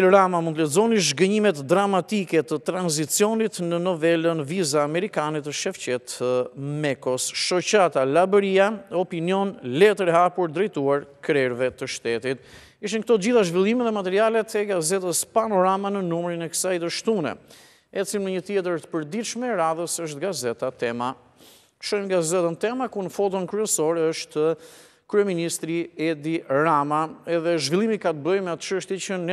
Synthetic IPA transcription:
t̪ɛlɔɾamamunt̪əlɛd͡zɔniʃɡəɲimɛt̪d̪ɾamat̪ikɛt̪ət̪ɾanzit͡siɔnit̪nənɔvɛlənvizaːmɛɾikanɛt̪əʃɛft͡ɕɛt̪əmɛkɔsʃɔt͡ɕat̪alabəɾiaɔpiniɔnlɛt̪əɾɛɦapuɾd̪ɾɛjt̪uaɾkɾɛɾvɛt̪əʃt̪ɛt̪it̪ | iʃ̬ink̚ət̪ɔt̪əd͡ʑiθaʒvilˠimɛðɛmat̪ɛɾialɛt̪ɛɡazɛt̪əspanɔɾamanənumɾinɛkə̥sajd̪əʃt̪unɛ̰ | ɛt͡silnəɲət̪jɛt̪̬əɾt̪ə̥pəɾd̪iʃmɛɾaðəsəʃ̬t̪ɡazɛt̪at̪ɛmḁ | ʃɔjmɡazɛt̪ənt̪ɛmakunəfɔt̪ɔnkɾyɛsɔɾɛəʃt̪ə | kɾyɛminist̪ɾiɛd̪iɾamaɛðɛʒvilˠimikat̪bəjmɛat̪t͡ʃəʃt̪it͡ʃənɛ

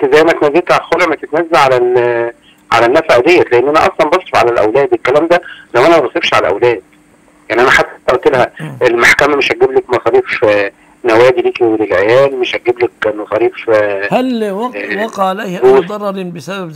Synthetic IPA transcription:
zæjːmæt̪næzːet̪ʕalxolʔmæt̪et̪næzːæʕalæl | ʕa̰lænːæfæʔæd̪ejːæt̪leʔenːʔænæʔɑ̰sˤlɑmbɑsˤɾefʕalælʔæ̰wlæːd̪elkːælæːmd̪ælæwʔænæmæbɑsˤebʃʕa̰læʔæ̰wlæːd̪̥̚ | jaʕniʔænæħad̪ːt̪ʔt̪elhæʔelmaħkæmæmeʃʔæɡːeblækmɑsˤɑːɾiːf | næwæːd̪iliːkiwelelʕejæːlmeʃʔæɡːeblækmɑsˤɑːɾiːfhælwwɑqɑʕalæjhoːd̪ɑrˤːɑɾbesæbæ

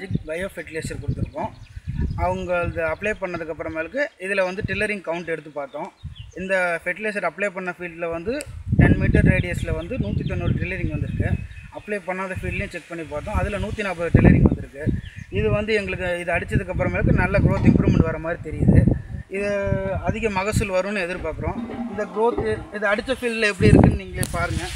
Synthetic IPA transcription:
d͡ʒɪkbɐjɐfɛʈɪleːsɐɾkɔɽɯt̪ːɯɾɯkːõː | ɐʋɐŋɡɐɭðɐɐpːleːpɐɳːɐðɯkːɐpːɯɾɐmeːlɯkːɯɪðɯlɐʋɐnd̪ɯʈɾɪlːɐɾɪŋ̚kɐʋʊɳʈɛɽɯt̪ːɯpːaːɾt̪õːɪnd̪ɐfɛʈɪleːs̬ɐɾɐpːɭeːpɐɳːɐfiːɖlɐʋɐnd̪ɯʈɛnmɪʈːɐɾɾeːɽɪjɐslɐʋɐnd̪ɯnuːt̪ːit̪ːɔnːoːlʈɾɪlːɐɾɪŋɡʋɐnd̪ɯɾɯkːɛ̃ɐpːɭeːpɐɳːaːðɐfiːɖljẽt͡ʃɛk̚pɐɳːipaːɾt̪ːõːɐðɪlɐnuːt̪ːinaːp̬ɐðɯʈɾɪlɐɾɪŋɡʋɐnd̪ɯɾɯkːɯɪðɯʋɐnd̪ɯɛŋɡɐɭɯkːɯɪðɯɐɽɯt͡ʃːɐðɯkːɐpːɯɾɐmɛːɭɐkːɯnɐlːɐɡɾoːt̪ɪmpɾuːʋmɛɳʈʋɐɾɐmaːd̪ɾit̪ɛɾɪjɐðɯɪðɯɐðɪɣɐmɐɣɐsɯlʋɐɾɯ̃nːɯɛðɯɾɯpaːɾkɯɾõːɪnd̪ɐɡɾoːt̪ɪðɐɐɽɯt͡ʃːɐfiːɭɖlɛp̬ːɐɽiɪɾɯkːɯnɯniːŋɡɐɭejpaːɾɯŋɡɐ

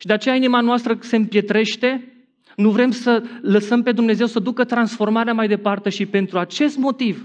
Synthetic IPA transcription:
ʃid̪e̞at͡ʃe̞jainimanoast̪ɾəse̞mpje̞t̪ɾe̞ʃt̪e̞ | nuvɾe̞msələsəmpe̞d̪umne̞ze̞wsəd̪ukət̪ɾansfo̞rmaɾeamajd̪e̞part̪e̞ʃipe̞nt̪ɾuat͡ʃe̞st̪mo̞t̪iv

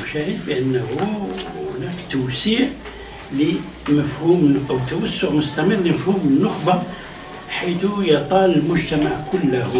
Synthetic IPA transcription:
ʃæhəd̪bəʔənːəhuhʊnækt̪ʊwsiːʕ | li | məfhumʔæwt̪ːæwæsːʊʕmʊst̪æmərləməfhumənːʊxbɑ | ħijt̪ujət̪ˤɑləlmʊʒt̪æmaʕkʊlːəh

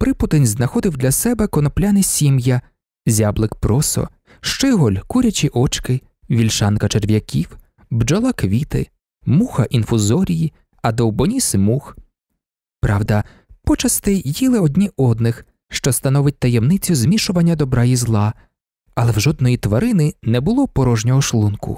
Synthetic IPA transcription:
pɾɪpʊt̪enʲznɐxɔd̪ɪwd̪lʲɐsɛbɛkɔnɔplʲanɪsʲimjɐ | zʲablˠɪkpɾɔsɔ̰ | ʃt͡ʃɪɦɔlʲkuɾʲɐt͡ʃʲiʔɔt͡ʃkɪ | ʋʲilʲʃɑnkɐt͡ʃerʋʲjɐkʲiw | bd͡ʒɔlˠakʋʲit̪ɪ̰ | muxɐʔinfʊzɔɾʲiji | ɐd̪ɔwbɔnʲismux | pɾɑwd̪ɐ | pɔt͡ʃɐst̪ɪjilˠɪɔdʲnʲiʔɔd̪nɪx | ʃt͡ʃɔst̪ɐnɔʋɪt̚ʲt̪ɐjɛmnɪt͡sʲːʊzmʲiʃʊʋɐnʲːɐd̪ɔbɾɑjizlˠɑ | ɐlˠɛwʒɔd̪̚nɔjit̪ʋɐɾɪnɪnɛbʊlˠɔpɔɾɔʒnʲɔɦɔʃlˠunkʊ̰

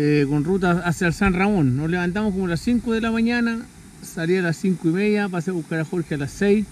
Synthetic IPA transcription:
ekonrut̪aasjalsanramo̞nːosleβant̪̬amokomolasiŋkoðelamaɲana | salialasːiŋkoimeðjap̬aseβuhkaɾaxoɾxealasejs

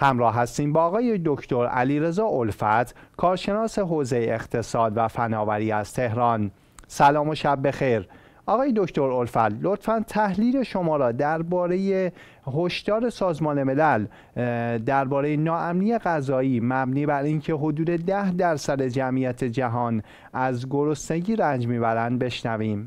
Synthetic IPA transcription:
hæmɾɒːɦːæst̪iːmbɒːɣɒːjed̪o̞cʰt̪ʰo̞ɾæ̰liːɾe̞zɒːʔolfæt̪ʰkʰɒːɾʃe̞nɒːse̞ɦoːze̞jeeχt̪ʰe̞sɒːd̪væfænɒːvæɾiːæst̪t̪ʰe̞ɦɾɒn | sælɒːmo̞ʃæbːe̞xejɾ | ʔɒːɣɒːje̞d̪o̞ct̪ʰo̞ɾo̞lfæ̰t̪lot̪fænt̪ʰæhliːle̞ʃo̞mɒːɾɒːd̪æɾbɒːɾe̞je | ɦo̞ʃd̪̥ɒːɾe̞sɒːzmɒːne̞me̞læl | d̪æɾbɒːɾe̞jenɒːʔæmniːe̞ɣæzɒːiːmæbniːbæɾiːncʰe̞ɦo̞d̪uːd̪e̞d̪æhd̪æɾsæd̪e̞d͡ʒæmʔijæt̪ʰe̞d͡ʒæɦɒːn | æzɡoɾo̞sne̞ɟiːɾænd͡ʒmiːbæɾænd̪̚be̞ʃnæviːm

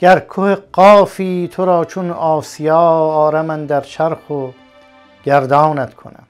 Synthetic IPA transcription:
ɡ̥æɾkʰoheqɒːfiːt̪ʰoɾɒːt͡ʃʰonɑːsijɑːɒːɾæmænd̪æɾt͡ʃʰæɾxo | ɡ̥æɾd̪ɑːnæt̪kʰo̰næ̰m

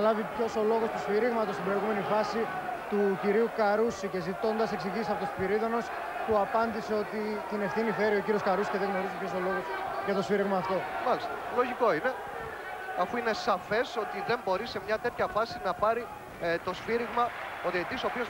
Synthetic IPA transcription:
lɐvipço̞so̞lo̞ɣost̪osfiɾiɣmɐt̪ost̪ibɾo̞iɣume̞nifɐsi | t̪uciɾiukɐɾusice̞zit̪o̞nd̪ɐse̞ksiʝisɐpo̞t̪ofiɾiðono̞s | puɐpɐnd̪ise̞o̞t̪it̪ine̞fθiniθe̞ɾio̞ciɾioskɐɾusi̥ceðeɣno̞ɾisipço̞so̞lo̞ɣo̞sʝɐt̪o̞sfiɾiɣmɐːft̪o̞mɐlist̪ɐlo̞ʝiko̞ine̞ | ɐfuinesɐfe̞so̞t̪iðe̞mbo̞ɾise̞mɲɐt̪e̞t̪çɐfɐsinɐpɐɾi | t̪o̞sfiɾiɣmɐoðiet̪isopioz

